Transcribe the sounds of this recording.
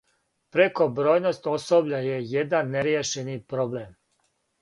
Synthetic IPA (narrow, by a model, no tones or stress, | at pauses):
pɾeko̞bɾo̞ːjno̞st̪o̞sobʎajejed̪anːeɾjeʃenipɾoblem